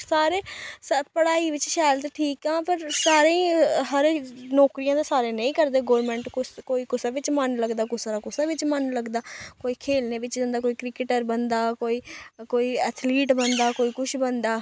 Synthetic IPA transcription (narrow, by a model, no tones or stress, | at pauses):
saːɾeːspəɽaːiːʋɪt͡ʃʃaːlt̪eʈʰiːkãːpəɾsaːɾẽĩːɦəɾnɔːkɾijãːd̪eːsaːɾeːnə̃ĩːkəɾd̪eːɡoːɾmɛ̃ːɳʈkʊskoːiːkʊsaːʋɪt͡ʃmənləɡd̪aːkʊsaɾaːkʊsaːʋɪt͡ʃmənləɡd̪aːkoːiːkʰeːlneːʋɪt͡ʃd͡ʒə̃nd̪aːkoːiːkɾɪkɪʈəɾbənd̪aːkoːiːkoːiːɛːt̪ʰliːʈbənd̪aːkoːiːkʊʃʰbənd̪aː